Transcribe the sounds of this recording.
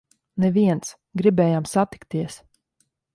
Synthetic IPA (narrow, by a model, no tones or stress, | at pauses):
nɛviɛnt̪s | ɡɾibɛːjaːmsat̪i̥kt̪iɛs